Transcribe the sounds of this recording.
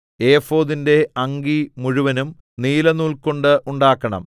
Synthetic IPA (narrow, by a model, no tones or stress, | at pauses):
e̞ːfo̞ːðinde̞ɐŋɡimuɻuʋɐnum | niːlɐnuːɭkoɳɖɨʔuɳɖaːkːɐɳɐ̰m